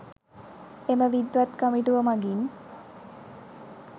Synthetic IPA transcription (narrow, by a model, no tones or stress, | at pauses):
eməʋid̪ʋat̪kəmiʈuʋəmaɡin